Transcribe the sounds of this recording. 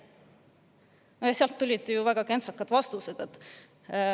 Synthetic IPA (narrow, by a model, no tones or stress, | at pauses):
nojɑseɑlt̪ːulʲid̪̥juvæɡ̥ɑke̞nsɑkːˑɑd̪̥vɑst̪used̪̥et̪ː